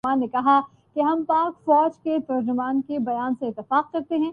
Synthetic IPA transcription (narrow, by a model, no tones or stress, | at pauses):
ãːnːekɐɦa | keɦɐmpaːkfɔːd͡ʒkep̪ɐɾd͡ʒʊmaːnkebɐjaːnseɪt̪ːɪfaːq̚kɐɾt̪eɦɛ̃ː